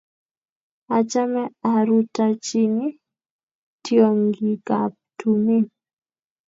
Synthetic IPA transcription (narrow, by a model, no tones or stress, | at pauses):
at͡ʃamaaɾutat͡ʃini | t̪ʰiwamɡiɡap̚tumin